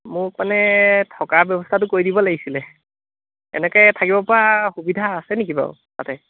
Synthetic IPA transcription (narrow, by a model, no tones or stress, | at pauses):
mʊmanɛtʰɔkabjɔbɔstʰatʊkoɹidibɔlaɡisilɛ | ɛ̰nɛkɔjtʰakibɔpɔɹaxubidʱaːsɛneikiba̰ʊ̰ | ta̰tɛ